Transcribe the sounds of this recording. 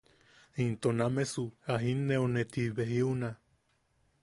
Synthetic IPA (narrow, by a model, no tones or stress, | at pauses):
int̪onamesuaɦinːeonet̪iβeɦiuna